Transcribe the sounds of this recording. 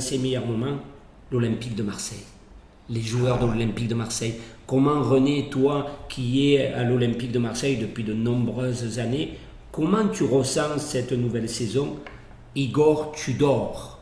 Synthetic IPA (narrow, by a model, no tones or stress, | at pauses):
semejœʁmɔmɑ̃ | lɔlɛ̃mpik̚d̪əmaʁsɛj | leʒuœʁd̪əlɔlɛ̃mpik̚d̪əmaʁsɛjkɔmɑ̃ʁənet̪wakʲʰiɛalɔlɛ̃mpik̚d̪əmaʁsɛjd̪əpɥid̪ənɔ̃bʁøzzane | kɔmɑ̃t̪yʁəsɑ̃sɛt̪nuvɛlsezɔ̃ | iɡɔʁt̪ʰyd̪ɔʁ